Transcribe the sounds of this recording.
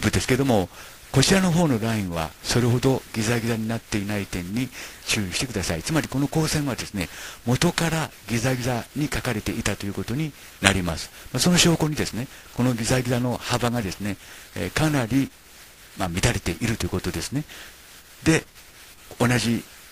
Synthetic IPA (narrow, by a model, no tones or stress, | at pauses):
bɯ̟d̪esɨ̥ke̞d̪o̞mo̞ | ko̞t͡ɕiɾano̞ɦo̞ːno̞ɾaĩɰ̃βa̰so̞ɾe̞ɦo̞d̪o̞ɡʲizaɡʲizaɲ̟inat̪ːe̞inait̪ẽ̞ɲ̟ːiɕɨːɾiɕi̥t̪e̞kɯd̪asait͡sɨmaɾʲiko̞no̞ko̞ːsẽ̞ɰ̃βad̪e̞sɨne̞mo̞t̪o̞kaɾaɡʲizaɡʲizaɲ̟ikakaɾe̞t̪e̞ʔit̪at̪o̞jɯ̟ko̞t̪o̞ɲ̟i | naɾʲimasɨ̥maso̞no̞ɕo̞ːko̞ɲ̟id̪e̞sɨne̞ | ko̞no̞ɡʲizaɡʲizano̞habaɡad̪e̞sɨne̞kanaɾʲi | mamʲit̪aɾe̞t̪e̞ʔiɾɯ̟t̪o̞jiɯ̟kot̪od̪e̞sɨ̥ne̞ | d̪e̞ | onaʑi